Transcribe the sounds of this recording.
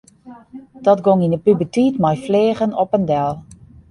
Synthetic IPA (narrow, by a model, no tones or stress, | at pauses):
d̥ɔtɡɔŋinəpybətiːtmajfleːɣənɔpəndɛlˠ